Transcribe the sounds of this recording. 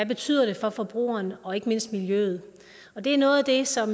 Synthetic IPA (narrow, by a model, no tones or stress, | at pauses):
æb̥e̝t͡sʰy̰ð̰ˠɐɾ̥e̝fɒ̽fɒ̽b̥ʁṵːɐːnɒ̽e̝ɡ̥əme̝n̰sd̥miljø̰ːð̞̩ˠ | ɒ̽d̥e̝æɐnɔ̽ːð̩ˠæd̥e̝sɒ̽m